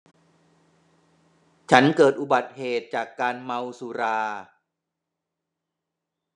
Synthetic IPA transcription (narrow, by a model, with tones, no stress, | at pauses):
t͡ɕʰa˦˥nkɤː˨˩t̪̚ʔu˨˩ba˨˩t̪̚heː˨˩t̪̚t͡ɕaː˨˩kːaː˧nma˧wsuː˧ɾaː˧